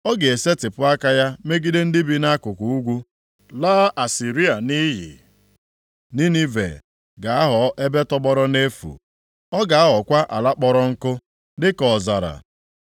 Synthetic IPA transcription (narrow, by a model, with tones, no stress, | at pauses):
ɔ˦ɡe˨e˨se˦tɪ˨pʊ˦a˦ka˦ja˦me˦ɡi˦de˦n̩˦dɪ˦bi˦na˦kʊ˨kʷu˨u˦ɡʷu˦ | laː˦ʔa˨si˨ɾi˦a˨ni˦ɦɪ̰˨ | ni˦ni˦vḛ˨ | ɡa˨a˦ɦɔ˨˦ʔe˦be˦tɔ˦bɔ˦ɾɔ˦ne˦fṵ˨ | ɔ˦ɡa˨a˦ɦɔ˨kʷa˦ʔa̰˨la˦k͡pɔ˦ɾɔ˦ŋ̩˦kʊ˦ | dɪ˦kɔ˨za̰˨ɾa̰˨